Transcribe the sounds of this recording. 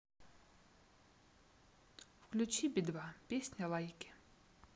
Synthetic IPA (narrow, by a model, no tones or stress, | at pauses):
fklʲut͡ɕibʲid̪vapʲesʲnʲɐlˠajkʲɪ̥